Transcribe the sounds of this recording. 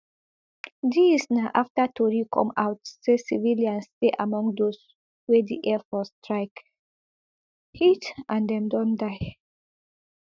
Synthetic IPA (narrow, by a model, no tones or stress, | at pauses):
disnaʔaftatʰɔɹikʰɔ̰̃ma̰ʊtsesiviljãnsteʔamɔ̃ŋɡdos | wɛdḭʔɛfɔstɹaɪk | hitãndɛ̃mdɔ̃ndaɪ